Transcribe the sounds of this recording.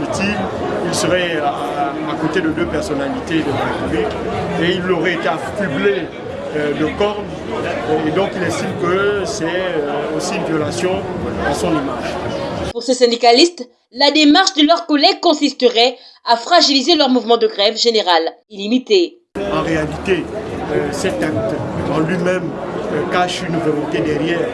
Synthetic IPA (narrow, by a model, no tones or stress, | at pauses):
it̪im | ilsəʁɛ | akõt̪ed̪əd̪øpɛʁsɔnalit̪ed̪əlaʁepyblikeilːoʁɛet̪eafyble | d̪əkɔʁn | ed̪ɔ̃kilɛst̪imkəsɛøosiynvjɔlasjɔ̃asɔ̃nimaʒpuʁsesɛ̃d̪ikalist̪ | lad̪emaʁʃd̪əlœʁkɔlɛɡ̚kɔ̃sist̪əʁɛ | afχaʒilizelœʁmuvmɑ̃d̪əɡʁɛvʒeneʁalilimit̪e | ɑ̃ʁealit̪eøsɛt̪ak̚t̪ɑ̃lɥimɛmkaʃynvɔlɔ̃t̪ed̪ɛʁjɛːʁ